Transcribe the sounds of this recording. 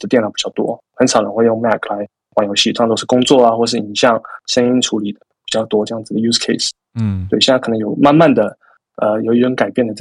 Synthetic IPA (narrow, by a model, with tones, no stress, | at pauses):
d̪ə˩t̪jɛ˥˧na˨˩pi˨˩t͡ɕɑ˥˩ʊt̪wɔ̰˦xə˧˦nʂʰɑ˨˩nə˧˦xwe˥˧ɪjo˥˩ŋma˥˩kʰla˧˦ɪ | xwa˧˥ŋjo˧ʊɕi˥˩t̪ʰʂɻ̩˥˩kʊ˥ŋt͡swɔ˥˩a˧xwɔ˥˧ʂ̬ɻ̩˥˩i˨˩nɕjɑ˥˩ŋʂə˥ŋi˥nʈ͡ʂʰu˧˥li˨˩d̪ə˦pi˨˩t͡ɕjɑ˥˩ʊt̪wɔ˥ʈ͡ʂɤ˥jɑ˥˩ŋd͡z̩˨˩d̪ə˩ju˥skʰe˥ɪs | swe˥˩ḭ˨ɕɛ˥˧t͡sa˥kʰnə˧˦ŋjo˨˩ʊma˥˧nma˥˩nd̪ə˩ | ə˧jo˨˩ʊi˧˩ə˧˥nka˨˩ɪpjɛ˥˩nd̪ə˩ʈ͡ʂ